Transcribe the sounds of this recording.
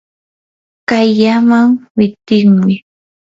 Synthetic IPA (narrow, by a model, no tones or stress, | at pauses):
kajʎamaŋwɪt̪ɪŋmɪ